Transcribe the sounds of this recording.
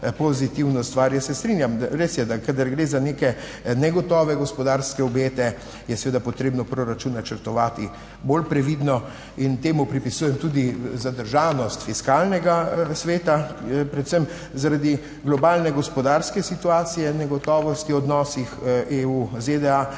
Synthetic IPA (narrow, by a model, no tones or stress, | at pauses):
pɔzit̪iwnɔst̪ʋaːɾjəsɛst̪ɾinjamɾesjɛd̪akad̪aɾɡɾeːzaneːkɛ | nɛɡɔt̪ɔːʋɛɡɔspɔd̪aɾskɛɔbeːt̪ɛ | jɛsɛʋeːd̪apɔt̪ɾeːbnɔpɾoɾat͡ʃunnːat͡ʃəɾt̪ɔʋaːt̪i | bolpɾɛʋid̪nɔ | int̪eːmupɾipisujɛmt̪uːd̪izad̪əɾʒaːnɔst̪fiskaːlnɛɡasʋeːt̪apɾɛt̪səm | zaɾad̪i | ɡlɔbaːlnɛɡɔspɔd̪aːɾskɛsit̪uaːt̪sijɛnɛɡɔt̪ɔːʋɔst̪iɔd̪nɔːsixʔeːuzed̪ɛa